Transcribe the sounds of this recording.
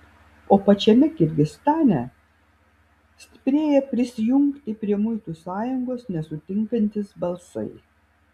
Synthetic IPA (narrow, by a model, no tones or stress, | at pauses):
oːpɐt͡ʃʲɛmʲɛkʲɪɾʲɡʲɪst̪ɑːnʲɛ | sʲt̪ʲɪ̥pʲɾʲeːjɛpʲɾʲɪsʲɪjʊŋkt̪ʲɪpʲɾʲiɛmʊɪt̪usɑːjʊŋɡoːsnʲɛsʊt̪ʲɪŋkɐnʲt̪ʲɪsbɐlˠsɐ̰ɪ